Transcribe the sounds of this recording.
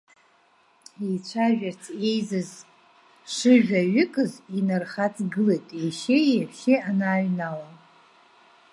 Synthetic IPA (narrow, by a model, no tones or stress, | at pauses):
it͡ʃʷʰaʒᶣart͡sʰejzɨz | ʂɨʒᶣaɥɪkʼɨzinarχat͡sʼɡɨlejtʼiʃɪjaħʃɪanaːɥnala